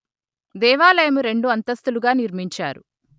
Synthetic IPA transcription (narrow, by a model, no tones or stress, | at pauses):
d̪ɛːʋaːlɐjɐmuɾe̞ɳɖuɐnt̪ɐst̪uluɡaːniɾmiɲt͡ʃa̰ːɾu